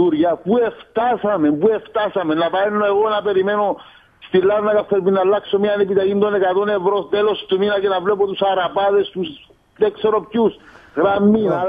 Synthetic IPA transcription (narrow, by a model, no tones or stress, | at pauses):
uɾʝɐpue̞ft̪ɐsɐme̞mpue̞ft̪ɐsɐmenːɐpɐenːoeɣo̞nɐpe̞ɾime̞no̞ | st̪ilːɐɾnɐkɐfːeɾminːɐlːɐksomiɐnepit̪ɐʝind̪o̞ne̞kat̪o̞ne̞vɾot̪elo̞st̪uminɐcenɐvlep̬ot̪usɐɾapaðe̞st̪us | ðekseɾo̞pcusɣɾamːin